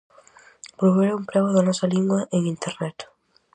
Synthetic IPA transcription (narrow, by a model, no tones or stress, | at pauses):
olβeɾɐuŋpɾɛɣʊðɐnɔsɐliŋɡwɐʔeŋint̪ernɛt̪